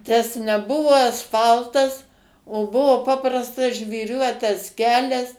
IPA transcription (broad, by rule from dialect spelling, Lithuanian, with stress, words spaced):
tɐs nʲɛˈbʊʋoː ɐsˈfɐlˠtɐs oː ˈbʊʋoː ˈpɑːprɐstɐs ʒʲʋʲiːˈrʲuɔtɐs ˈkʲæːlʲɛs